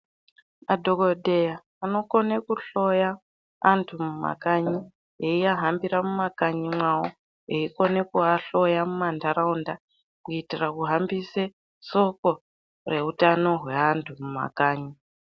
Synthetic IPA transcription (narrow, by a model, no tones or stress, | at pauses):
madʱo̞kodʱe̞jaːno̞konekuɬo̞jaː | ntʰumuma̰kaɲi | ɦeijaɦambiɾamumakaɲimwawo̰ | ɦeiko̞ne̞kuaɬo̞jamumandaɾaunda | kuitirakuɦambise | so̞ko̞ | re̞ɦutano̞ɦwe̞antʰumuma̰kaːɲi